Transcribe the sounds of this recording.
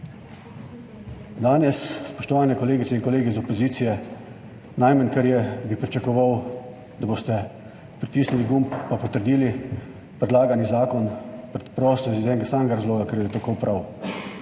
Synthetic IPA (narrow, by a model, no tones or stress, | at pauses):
d̪aːnjɛsspɔʃt̪ɔʋaːnɛkɔleːɡit̪sɛinkɔleːɡizɔpɔziːt̪sijɛ | najmənkaɾjɛbipɾit͡ʃakɔʋaw | d̪aboːst̪ɛ | pɾit̪iːsniliɡumppapɔt̪əɾd̪iːli | pɾɛd̪laːɡanizaːkɔnpɾɛt̪pɾɔːsɔzuzɛːnɡasaːmɛɡaɾazloːɡakɛɾjɛɛt̪akowpɾʔaw